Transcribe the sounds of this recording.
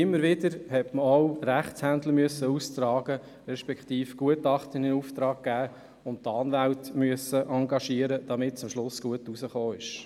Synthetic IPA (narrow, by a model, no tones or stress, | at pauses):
ɪmːəɾʋɪdəɾhɛtməɔwɾæχt͡shænd̪ləmyəsːəust̪ɾɑːɡ̥ə | ɾɛʃpɛkχtiːfɡ̥uətɑχtəninuftɾɑːk̚ɡ̥æː | ʊnttɑːnʋæltmyəsəʔɑŋɡɑʃiəɾəd̥ɑmɪtt͡sʊmʃlʊsɡ̥uətusəχoːɪʃ